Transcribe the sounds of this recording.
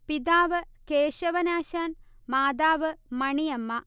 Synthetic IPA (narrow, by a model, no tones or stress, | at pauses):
pid̪aːʋɨkeːʃɐʋɐnaːʃaːnmaːd̪aːʋɨmɐɳijɐmːɐ